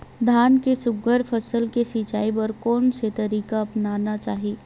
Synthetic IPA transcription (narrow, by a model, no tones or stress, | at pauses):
d̪ʱaːnkesʊŋɡəɾpʰɐsəlkesit͡ʃaːipəɾkɔːnset̪ɐɾiːkaɐpnaːnat͡ʃaːɦiiː